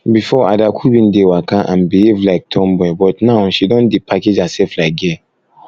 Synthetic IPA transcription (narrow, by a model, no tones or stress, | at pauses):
bifɔa̰dakʰubĩndewakaʔãnbihevlaɪk̚tʰɔ̃mbɛ̃bɔtnãʊʃidɔ̃ndepʰaked͡ʒasɛlflaɪk̚dɛ